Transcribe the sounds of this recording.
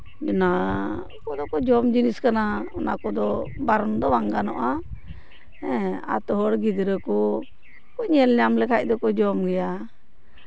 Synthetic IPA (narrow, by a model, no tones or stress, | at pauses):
d͡ʒɔna | kɔd̪ɔkɔd͡ʒɔmd͡ʒiniskanaɔnakɔd̪ɔbaɾɔnd̪ɔwaŋɡanɔ̰ʔa | ɛa̰t̪ɔɦɔɽɡid̪ɾəkɔ | kɔɲɛlɲamlɛkʰac̚ˀd̪ɔkɔd͡ʒɔmɡɛja